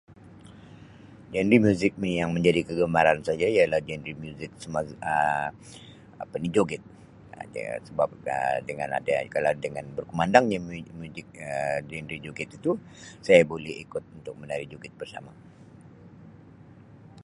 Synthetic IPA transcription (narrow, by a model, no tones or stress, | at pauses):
d͡ʒɛndɾimjuzɪk̚mijaŋməɲd͡ʒadikəɡəmaɾansad͡ʒaialahd͡ʒɛndɾimjuzɪk̚səmaə | pənid͡ʒoɡɛt̪̚ | səbap̚ə̰dəŋa̰na̰dakalawdəŋanbərkəmandaŋɲammuzɪk̚əd͡ʒɛndɾid͡ʒoɡɛt̪it̪u | sajabolɛhḭkʊt̪̚unt̪ʊk̚mənaɾid͡ʒoɡɛt̪̚bərsa̰ma